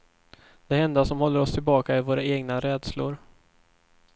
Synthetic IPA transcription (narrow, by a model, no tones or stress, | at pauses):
d̪̥ɛhɛnd̪asɔmhɔlːəɾɔst̪ʰɪlbɑːkaɪvoːɾaeːɡnaɾɛːd̪slʊ̰ɾ